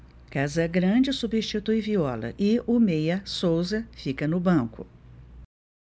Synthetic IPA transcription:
kazɐɡɾɐ̃d͡ʒɪsubiʃt͡ʃit̪uiviɔlɐ̰ʔɪomejɐsowzɐfikɐnʊbɐ̃kʊ

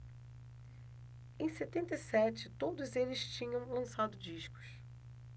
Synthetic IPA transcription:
ẽj̃set̪ẽnt̪eisɛt͡ʃɪt̪od̪ʊzelɪst͡ʃĩɲɐ̃w̃lɐ̃sad̪ʊd͡ʒiʃkʊ̥s

